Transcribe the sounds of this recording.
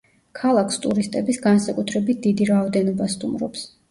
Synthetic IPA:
kʰalˠakʰst̪ʼuɾist̪ʼɛbisɡansakʼut̪ʰɾɛbit̪̚ʰd̪̥id̪iɾaɔd̪ɛnɔbast̪ʼṵmɾɔ̰ps

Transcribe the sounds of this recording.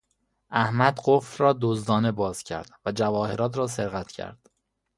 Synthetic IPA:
ʔæhmæd̪ɢofɾɒːd̪ozd̪ɒːne̞bɒːz̥cʰæ̰ɾd̪̥væd͡ʒævɒːhe̞ɾɒːt̪ʰɾɒːseɾɣæt̪ʰcʰæ̰ɾd̪̥

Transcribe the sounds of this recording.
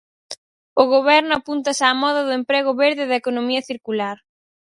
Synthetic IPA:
ʊɣoβɛɾnʊapunt̪ɐsaːmɔðɐðʊempɾeɣʊβeɾðɪðɐekonomiɐθiɾkulaɾ

